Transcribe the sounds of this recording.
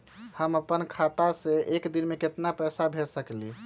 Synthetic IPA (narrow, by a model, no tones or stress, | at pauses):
həməpənkʰat̪asẽʔekd̪inmeket̪napɛsabʱeɾsəkli